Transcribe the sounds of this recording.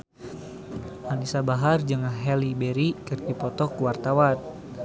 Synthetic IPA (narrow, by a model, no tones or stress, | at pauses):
ʔanisabaɦard͡ʒəŋaɦɛlibeɾikərt̪ipɔt̪ɔkuwart̪awan